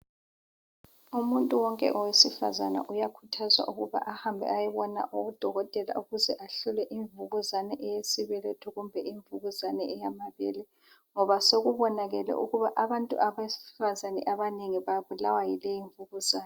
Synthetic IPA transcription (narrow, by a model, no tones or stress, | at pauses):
umuntʼuwɔŋkʼɛ̰ʔɔwesifa̰zana̰ʔujakʰutʰazwa̰ʔuɣuβa̰ʔahambʱɛ̰ajɛβɔna̰ʔuud̥ʱɔɣɔtʼɛla̰uɣuzɛʔaɬulɛʔiɱvuɣuzanɛʔɛjesiβɛletʰuɣumbʱɛʔiɱvuɣuzanɛɛjamaβɛlɛ | ŋɔβasoɣuβɔnaɣɛlɛ̰ʔuɣuβaʔaβantʼṵʔaβesfazanɛ̰ʔaβaneŋiβaβulawajilɛjiɱvuɣuz̥aːnɛ